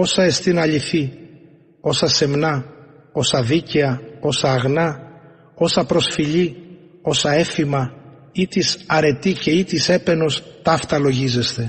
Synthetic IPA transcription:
o̞sɐe̞st̪inɐʎiθi | o̞sɐse̞mnɐ | o̞sɐðiceɐo̞sɐːɣnɐ | o̞sɐpɾo̞sfiʎio̞sɐe̞fimɐ | it̪isɐɾe̞t̪ice̞it̪ise̞pe̞no̞st̪ɐft̪ɐlo̞ʝize̞st̪e̞

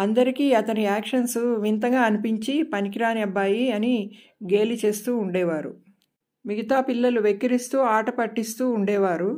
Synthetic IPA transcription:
ɐnd̪ɐɾikiːɐt̪ɐniaːkʂɐnsuʋint̪ɐŋɡaːɐnipiɲt͡ʃipɐnikiɾaːnɐbːaːjiɐni | ɡe̞ːlit͡ʃe̞ːst̪uːuɳɖɛːʋaːɾṵ | miɡʱit̪aːpilːɐluʋekːɐɾist̪uːaːʈɐpɐʈːist̪uːuɳɖɛːʋaːɾu

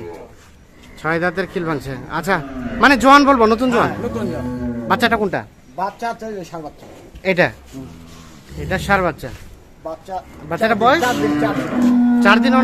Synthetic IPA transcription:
t͡ɕʰɔjd̪at̪̬eɾkʰilbʰʱaŋt͡ɕʰea̰tːt͡ɕʰamaned͡ʑoanbolbonot̪̬und͡ʑoannot̪unbatːɕaʈakoɳʈa̰ | baaɾatt͡ʃa | ejʈa | ejʈaʃaɾbat̪ːɕa̰ | batːaʈabɔjd̪iaɾit͡ɕaɾd̪inɔ

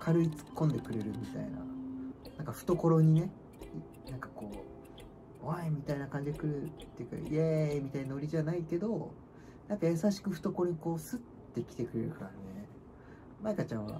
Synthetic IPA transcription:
kʰaɾɯ̟it͡sɨ̥kːõ̞nd̪e̞kɯ̟ɾe̞ɾɯ̟mʲit̪a̰ina̰nãŋkaɸɯ̟̥t̪o̞ko̞ɾo̞ɲ̟ine̞ | nãŋkḁko̞ː | oβaimʲit̪ainakãɲ̟d͡ʑid̪ekɯ̟ɾɯ̟t̪ːe̞jɯ̟ka̰iemʲit̪aiɲinoɾʲiʑanaike̞d̪o̞ | nãŋkajasaɕi̥kɯ̟ɸɯ̟̥t̪o̞ko̞ɾo̞ɲ̟iko̞ːsɨt̪ːe̞kʲi̥t̪e̞kɯ̟ɾe̞̰ɾɯ̟kaɾane̞ | maikat͡ɕãɰ̃βa̰

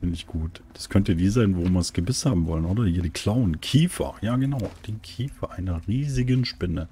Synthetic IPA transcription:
ɪnɪçɡ̥uːtd̥askʰœntədiːzaɪnvoɪmɐsɡ̥əbɪshaːbm̩vɔlənʔoːdɐheːɐdikʰl̥aʊnkʰiːfɐ̰jaːɡənaʊd̥eːnkʰiːfɐʔaɪnɐʁiːzɪɡənʃpɪnə

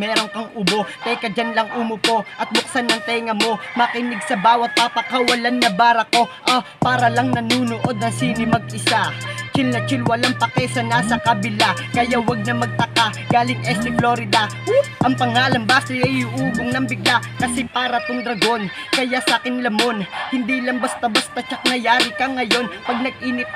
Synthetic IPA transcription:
mɛːɾo̞ŋpɐŋʔʊbo̞t̪ɛkɐd͡ʒanlɐŋʔuːmopo̞ʔɐt̪̚bʊk̚sanːɐŋt̪ɛŋɐmo̞mɐkɪnɪɡsɐbaːwɐt̪̚papɐkɐwɐlanːɐbaːɾɐko̞ʔa | paːɾɐlɐŋnɐnuːnoʔo̞d̪nɐŋsiːnɪmɐɡ̚ʔɪsat͡ʃɪlnɐt͡ʃɪlwɐlaŋpɐkɛsɐnasɐkɐbɪla | kɐjawɐɡ̚nɐmɐɡ̚t̪ɐka | ɡ̥aːlɪŋɛst̪ɪploɾɪd̪a | ʔɐŋpɐŋaːlɐnbaːsɪʔɐjʔuːboŋnɐŋbɪɡlakɐsɛpaːɾɐt̪oŋd̪ɾɐɡo̞n | kɐjasakɪnlɐmo̞nhɪnd̪iːlɐŋbɐst̪abɐst̪at͡ʃɐk̚nɐjaːɾɪkɐŋɐjo̞npɐɡ̚nɐɡ̚ʔiːnɪt̪̚

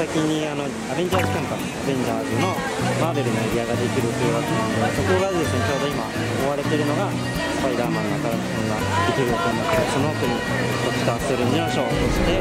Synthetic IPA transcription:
sakʲiɲ̟iano̞ | abe̞ɲ̟d͡ʑaːzɨkãmpas | abẽ̞ɲ̟d͡ʑaːzɨno̞ | maːbe̞ɾɯ̟noeɾʲiaɡad̪e̞kʲiɾɯ̟t̪ojɯ̟βakenand̪ed̪esokoɡaded̪e̞sɨne̞t͡ɕoːd̪o̞ima | omoβaɾe̞t̪e̞ɾɯ̟no̞ɡa | apːaɾiɾaːmãnːoakaɾakɯ̥sõŋɡa | d̪̥e̞kʲiɾɯ̟jokanakt̪so̞noot̪oɲ̟i | t̪oki̥t̪aːsoɾɯ̟ɲiõɕo̞ːt̪oɕi̥t̪e̞

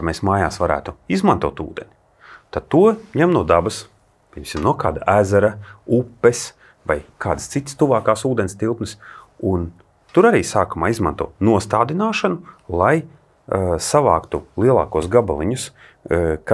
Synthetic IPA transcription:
ɾmesmaːja̰ːsvaɾæ̰ːt̪uizmant̪uɔt̪ṵːd̪enʲi | t̪ad̪̚t̪uɔɲɛmnuɔd̪abɐs | pʲiɛmsʲimnuɔkaːd̪aʔæːzɛɾaupːɛs | va̰jkʰaːd̪ɨst̪sit̪st̪uvaːkaːsuːd̪enʲst̪ilˠp̪nɨsun | t̪uɾaɾiːsaːkumaːizmant̪uɔːtnuɔst̪aːd̪inaːʃanʊlˠaj | savɑ̰ːkt̪ulˠiɛlˠa̰ːkuɔsɡaba̰lˠiɲus | ka

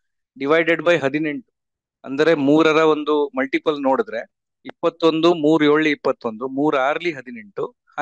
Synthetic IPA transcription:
ɖiʋɐjɖeɖbɐjɦɐd̪ine̞ɳʈu̥ | ɐ̰nd̪ɐɾe̞muːɾɐɾɐʋo̞nd̪umɐlʈipɐlno̞ːɽid̪ɾe̞ | ipːɐt̪ːo̞nd̪umuːɾujoːɭːiːpːɐt̪ːo̞nd̪umuːɾaːɾɐliɦɐd̪ine̞ɳʈu | h

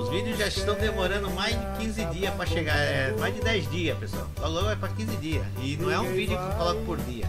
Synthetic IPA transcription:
ʊzvid̪jʊzʒaɪst̪ɐ̃w̃d̪emoɾɐ̃nd̪ʊmajzd͡ʒɪkĩzɪd̪iɐspɾɐʃeɡaɾɛmajzdɪd̪ɛjzdiɐspesʊa̰wɡalõɡʊvɛjpɾɐkĩzɪd̪iɐsɪnɐ̃w̃ɛũvid̪ʊkewkolɔkʊpoɾd̪iɐ

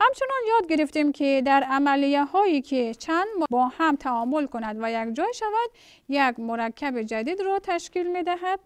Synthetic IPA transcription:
hamt͡ʃʰunɔnjɔd̪ɡiɾift̪imkʰid̪aɾamalijahɔikʰit͡ʃʰand̪mbɔhamt̪ʰaɔmulkunad̪vajaɡd͡ʒɔjʃavad̪ | jaɡmuɾakʰːabid͡ʒad̪id̪ɾɔt̪ʰaʃkilmed̪aɦad̪̚

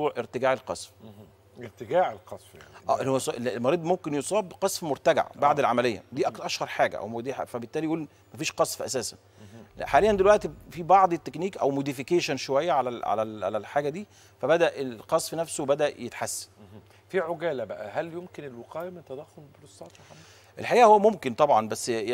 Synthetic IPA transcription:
uːʕʔeɾt̪eɡaːʕelqɑ̰sˤf | eɾt̪eɡaːʕelqɑsˤfja̰ʔæːʔelːihowsʔellmɑɾˤiːd̪momkenjosˤɑːbqɑsˤfmoɾt̪æɡa̰ʕbaʕd̪elʕamælejːæ̰d̪iːʔæʔæʃhɑɾˤħaːɡæ̰ʔæ̰wmod̪iħa̰fæbet̪ːæːlijʔuːl | mæfiːʃqɑsˤfʔæ̰sæːsæ̰n | ħaːlejːænd̪elwæʔt̪ifiːbɑʕd̪ˤet̪ːekniːkʔæwmod̪ifikeːʃænʃowæjːæʕalæʕa̰læla̰lælħaːɡæd̪iː | fæbæd̪æʔeqɑsˤfnæfsowbæd̪æʔjet̪ħasːæ̥ | fiʕoɡæːlæbæʔæhæljomkenelweqɑːjæment̪æd̪æxːolbɾosˤɑˤ | ʔelħaʔiːʔæhowːæmomkent̪ˤɑbʕɑnbæsː

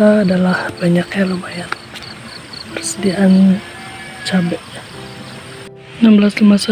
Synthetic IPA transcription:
aːdalahbaɲakɲalobajat | pərsədiaʔan | t͡ʃabɛʔ | ənambəlaslimasa

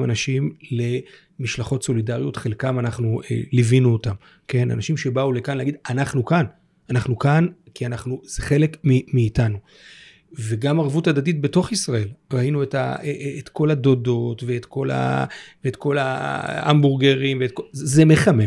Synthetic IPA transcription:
manaʃimle̞ | miʃlaχo̞tso̞lidaʁjo̞tχe̞lkamanaχnuḛlivinuotam | ke̞na̰naʃimʃe̞baule̞kanleaɡid̪anaχnukan | anaχnukankianaχnuzeχe̞le̞kmimiːtanu | ve̞ɡamaʁvutadatit̚be̞to̞χisʁae̞lʁainueta̰eːtko̞ladodo̞tve̞ːtko̞la̰veetko̞laambuʁɡeʁimveːt̚kozeme̞χame

